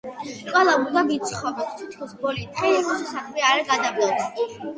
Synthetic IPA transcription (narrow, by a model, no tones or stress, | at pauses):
kʼwɛlˠamud̪ad̪it̪sʰχɔvɾɔpst̪ʰit̪ʰkʰɔsbɔlit̪χʼɛʃɛsaχlɛaɾaɡad̪ablˠɔps